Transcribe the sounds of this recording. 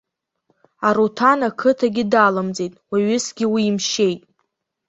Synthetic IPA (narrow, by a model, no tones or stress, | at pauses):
aɾotʰanakʰɨtʰaɡʲɪdalamd͡zejtʼwaɥʏsɡʲɪwiːmʃe̞jtʼ